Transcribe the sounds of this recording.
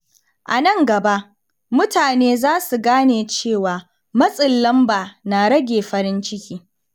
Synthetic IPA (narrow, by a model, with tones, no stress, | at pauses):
ʔa˨nɐ˦ŋɡɐ˨ba˦ʔ | mʊ˦taː˨neː˦zaː˦su˨ɡaː˦neː˨t͡ʃeː˦˨waː˨ | mɐ˦sʼɪ˨lːɐ˦mbaː˨naː˨ɽɐ˦ɡʲeː˨ɸɐ˨ɾɪ˦nt͡ʃɪ˦kʲiː˦